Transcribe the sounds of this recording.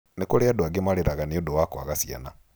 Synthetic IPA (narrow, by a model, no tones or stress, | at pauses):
nekoɾeadoaɡemaɾeɾaɣaneodowakwaɣasja̰na